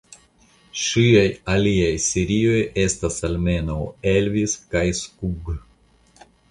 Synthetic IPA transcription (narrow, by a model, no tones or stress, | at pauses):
ʃiajaliajseɾio̞je̞stasalme̞nawelviskajskuɡ